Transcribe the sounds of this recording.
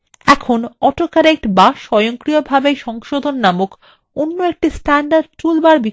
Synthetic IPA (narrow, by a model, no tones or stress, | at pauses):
ɛkʰonɔʈokaɾek̚ʈbaʃɔjoŋkɾijobʱabejʃɔŋʃod̪ʱonːamok | onːoek̚ʈisʈɛɳɖaɖ̚ʈulbaɾbi